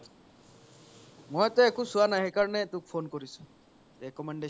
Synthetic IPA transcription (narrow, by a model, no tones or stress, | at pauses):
mojt̪ɔekusuanaɦɛkaɹɔnɛt̪ũk̚pʰonkoɾisũ̥ | ekɔmɛɳɖe